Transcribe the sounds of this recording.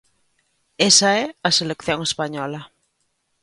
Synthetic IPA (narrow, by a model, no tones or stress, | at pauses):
esaeaselekθjõŋespaɲɔla